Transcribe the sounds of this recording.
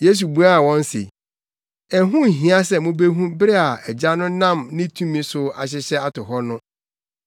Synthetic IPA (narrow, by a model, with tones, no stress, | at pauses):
je˦s̬u˨bu˨˦a˦a˨wɔ̃˦n˦sḛ˨ | ɛ˨ɦũ˦˨ɦĩ˨˦a˦sɛ˦˨mʊ̃˦be˦ɦũ˦bɪ˦ɾɪ˦a˨ɛ˨d͡ʑa˦nʊ̃˦nã˦˨mnɪ̃˦tʰũ˦mĩ˦sʊ˨a˨ɕ̬ɪ˦ɕɛ˦a˦tʊ˨ɦɔ˦nʊ̃˦